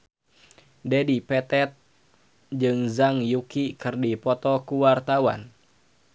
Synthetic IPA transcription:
dɛdipɛt̪ɛt̪̚ | d͡ʒɨŋzaŋjukikɨrdipɔt̪ɔkuwart̪awa̰n

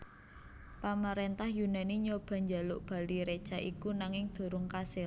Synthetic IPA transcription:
paməɾent̪ahjunaniɲob̥a̤ɲd͡ʒalʊʔb̥a̤liɾe̥t͡ʃaʔikunaŋɪŋd̪̥o̤ɾʊŋkasɪl

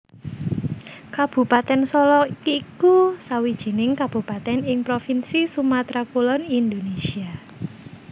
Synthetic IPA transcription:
kab̥ṳpat̪ɛnsɔlɔikusawid̥ʒ̥i̤nɪŋkab̥ṳpat̪ɛnɪŋpɾofinsisumat̪ɾakulɔnind̪onesia

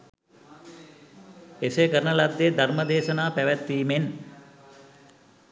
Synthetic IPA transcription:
esekəɾnəlad̪ːed̪ʱaɾməd̪eːʃɐnaːpɛʋæt̪ːiːmen

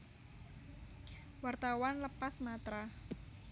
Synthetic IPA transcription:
wart̪awanləpasmat̪ɾa

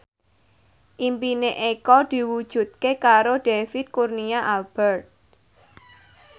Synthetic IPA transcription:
ʔimpineʔekɔd̪̥i̤wud̥ʒ̥ṳt̪̚kekaɾoɖ̥efit̪̚kurniaʔalb̥ɛrt̪̚

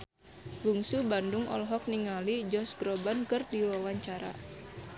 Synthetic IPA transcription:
ɡuŋsubanduŋɔ̰lɦɔk̚niŋalid͡ʒɔsɡɾɔbankɨrdiwawaɲt͡ʃaɾa̰

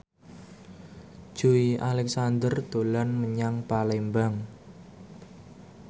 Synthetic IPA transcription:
ʒ̥uiʔalɛk̚sand̪ərd̪̥olanməɲaŋpalɛmbaŋ

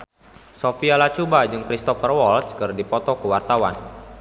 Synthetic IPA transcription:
sofialat͡ʃubad͡ʒɨŋkɾist̪ɔfərwɔltskɨrdipɔt̪ɔkəwart̪awa̰n

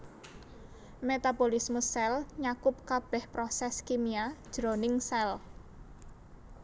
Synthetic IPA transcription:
met̪abolismusɛlɲakʊp̚kab̥ɛhpɾɔsɛskimiad̥ʒ̥ɾonɪŋsɛl

